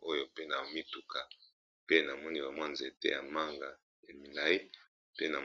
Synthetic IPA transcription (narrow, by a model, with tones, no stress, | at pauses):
o˦jo˨pe˦na˨o˨mi˦tu˨ka˨ | pe˦na˨mɔ˦ni˦ba˨mwa˦nztḛ˦ja̰˨ma˦ŋɡa˨ | ja˨mi˨na˨i˦ | pe˦na̰˨